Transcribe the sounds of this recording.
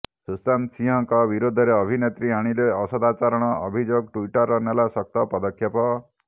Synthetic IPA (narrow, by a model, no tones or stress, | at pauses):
sust̪ansiɦɔŋkɔbiɾod̪ʱɔɾeɔbʱinet̪ɾiaɽ̃ileɔsɔd̪at͡ʃaɾɔɽ̃ɔɔbʱid͡ʒoɡʈuiʈɔɾːɔnelasɔk̚t̪ɔpɔd̪ɔkʰjɔpɔ